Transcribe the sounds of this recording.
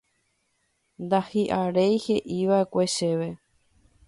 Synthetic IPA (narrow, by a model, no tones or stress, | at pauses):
nd̪ahiʔaɾejhe̞ʔiʋae̞kʷe̞ʃe̞ʋe̞